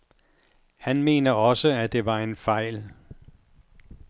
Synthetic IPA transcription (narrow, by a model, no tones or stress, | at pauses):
hænme̝̰ːnɐɒ̽səæd̥e̝ʋɑ̈e̝nfɑ̈ɪ̰l